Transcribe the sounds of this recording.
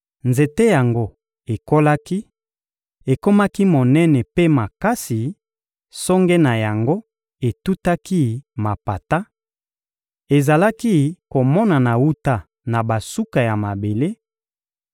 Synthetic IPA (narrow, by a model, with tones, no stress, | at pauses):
nze˨te˦ja˨ŋɡo˦ | e˨ko˦la˦ki˦ | e˨ko˦ma˦ki˦mo˨nɛ˦nɛ˨pe˦ma˨ka˦si˨ | sɔ˦ŋɡɛ˦na˨ja˨ŋɡo˦ | e˨tu˦ta˦ki˦ma˨pa˨ta˦ | e˨za˨la˦ki˦ko˨mɔ˦na˨na˨wu˦ta˦ | na˨ba˨su˦ka˨ja˨ma˨be˨le˦